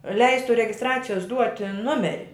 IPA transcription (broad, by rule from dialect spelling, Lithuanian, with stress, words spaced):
ˈlʲɛɪstʊ rʲɛɡʲɪsˈtrɑːt͡sʲɪjoːs ˈduɔtʲɪ ˈnʊmʲɛrʲɪ